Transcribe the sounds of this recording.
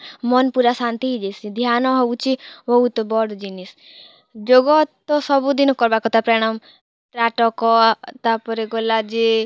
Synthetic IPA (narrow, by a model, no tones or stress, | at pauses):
mɔnpuɾasant̪iɦid͡ʒesid̪ʱjanɔɦɔut͡ʃʰiʋɔut̪ɔbɔɽd͡ʒinis | d͡ʒoɡɔt̪ːɔsɔbud̪inɔkːɔɾbakɔt̪apɾɛɽ̃am | ʈ̪ɾaʈɔkɔt̪apɔɾeɡolad͡ʒe